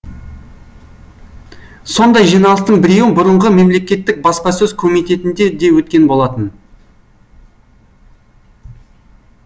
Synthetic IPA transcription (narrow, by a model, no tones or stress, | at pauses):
so̞nd̪ɑjʒijnɑlˠəst̪əɴbɪɾe̞wɪbʊɾəɴʁəme̞mle̞kʲe̞t̪ːɪk̚bɑspɑsɵzkʰomijt̪e̞t̪ɪnd̪e̞d̪e̞wɵt̪̚kʲe̞nbo̞lˠɑt̪ən